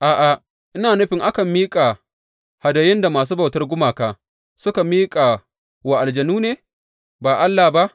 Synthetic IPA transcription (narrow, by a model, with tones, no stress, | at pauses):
ʔaː˨ʔa˨ | ʔɪ˦naː˨nʊ˦ɸɪ˨ŋʔa˦kɐ˨mːiː˦kʼa˨ | ha˨dɐ˨jɪ˦nda˨maː˨s̬uː˦ba˨wtɐ˦rɡʷʊ˦maː˨kaː˦ | sʊ˦ka˨miː˦kʼa˨ | wa˨ʔa˨ld͡ʒɐ˨nuː˦neː˨ | baː˨ʔa˦lːa˨ba˦ʔ